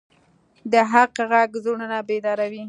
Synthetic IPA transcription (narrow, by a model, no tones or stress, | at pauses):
d̪əɦaqɣaɡzuɽənabed̪ɑɾawi